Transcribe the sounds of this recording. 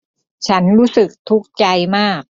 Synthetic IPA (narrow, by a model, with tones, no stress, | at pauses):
t͡ɕʰa˦˥nɾuː˦˥sɯ˨˩k̚t̪ʰu˦˥k̚t͡ɕa˧jmaː˥˩k̚